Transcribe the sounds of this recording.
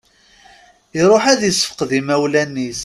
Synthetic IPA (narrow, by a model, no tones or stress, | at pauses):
iɾˤoħæðjəsːə̥fə̥qðimæwlænːis